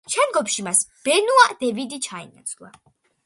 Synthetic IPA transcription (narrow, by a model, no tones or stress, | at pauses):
t͡ʃʰɛnɡɔpʃimasb̥ɛnuad̪̥ɛvid̪it͡ʃʰaḭna̰t̪sʰlˠa̰